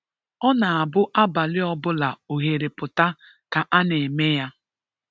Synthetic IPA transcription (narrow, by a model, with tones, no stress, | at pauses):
ɔ˦na˨a˨bʊ˦ʔa˦ba˨lɪ˦ɔ˦bʊ˦la˨o˨ɦe˨ɾe˨pʊ˨ta˦ | ka˨ʔa˦ne˨me˦ja˦